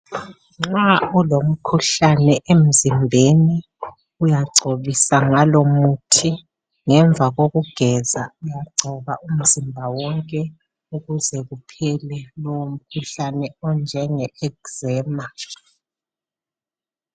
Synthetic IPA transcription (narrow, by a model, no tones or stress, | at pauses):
ŋ͡ǁaulom̩kʰuɬanɛʔem̩zimbʱeni | ujaǀʱoβisaŋalomutʰi | ŋɛɱvʱaɣoɣuɡ̥ʱɛzaujaǀʱɔβaum̩zimbʱawɔŋkʼɛ | uɣuzɛɣupʰɛlɛlɔwom̩kʰuɬanɛɔnd͡ʒʱɛŋɛɛkzɛːma